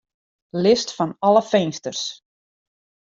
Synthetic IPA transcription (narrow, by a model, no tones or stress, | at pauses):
lɪstfanɑləfejnstərs